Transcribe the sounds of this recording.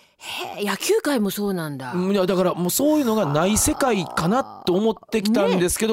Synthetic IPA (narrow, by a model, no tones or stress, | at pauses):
hejakʲɨːkaimo̞so̞ːnãnd̪ajad̪akaɾamoːso̞ːjɯ̟ːno̞ɡanaise̞kaikanat̪ːo̞ːmo̞t̪ːe̞kʲt̪ãnd̪e̞sɨ̥ke̞d̪o